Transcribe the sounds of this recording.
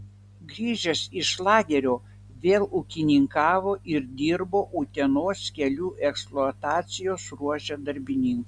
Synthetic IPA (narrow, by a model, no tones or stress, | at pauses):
ɡɾʲiːʒʲɛsɪʃlˠɑːɡʲɛɾʲoː | ʋʲeːlˠukʲɪnʲɪŋkɑːʋoːʔɪɾd̪ʲiːɾboːʔut̪ʲɛnoːskʲɛlʲuːʔɛksplˠuɐt̪ɑːt̪sʲɪjoːsɾuɔʒʲɛd̪ɐɾʲbʲɪnʲɪŋku